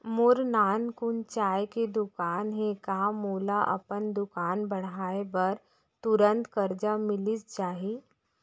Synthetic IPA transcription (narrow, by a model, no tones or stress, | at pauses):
moɾnankunt͡ʃajked̪ukaːnɦekamulaʔə̰pənd̪ukaːnbəɽ̃aebəɾ | t̪uɾənt̪kəɾd͡ʒamilist͡ʃaːɦi